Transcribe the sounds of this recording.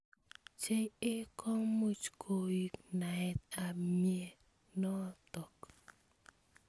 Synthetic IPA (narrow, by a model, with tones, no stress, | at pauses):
t͡ʃe˦ŋɪ˦kʰɔ˦mu˦t͡ʃkʰo˨i˨kna˨ɛ˨t̪a˨mje˦ | nɔ˦t̪ɔ˨k